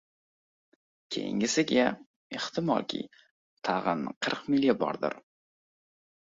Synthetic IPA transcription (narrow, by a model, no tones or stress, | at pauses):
kʲʰe̞̰jɪ̰ŋʲɪsɪɡʲa | eχt̪ʰɪmɒ̰lˠkʲʰḭj | t̪ʰɑʁɨnqʰɨɾqmɪljabɒ̰ɾd̪ɪ̰ɾ